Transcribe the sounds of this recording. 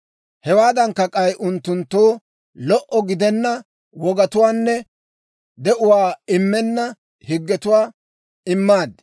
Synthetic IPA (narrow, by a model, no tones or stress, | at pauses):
hɛwaːd̪ɐŋkːɐkʼɐjʔʊnt̪ːʊnt̪ːoː | lɔʔɔɡɪd̪ɛnːɐ | wɔɡɐt̪ʊwaːnːɛ | d̪ɛʔʊwaːɪmːɛnːɐ | hɪɡːɛt̪ʊwaː | ɪmːaːd̪